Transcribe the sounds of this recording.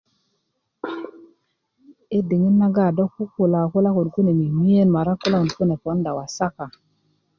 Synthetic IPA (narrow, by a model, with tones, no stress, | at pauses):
e˦de˨ŋi˦nːa˦ɡa˦˨do˦kku˦ku˨la˨ku˦la˦ku˨nku˦ne˨mi˨mi˦je˦nma˨ɾa˦kːu˦la˦u˨nku˦ne˨po˨˦nda˨wa˨sa˦ka˨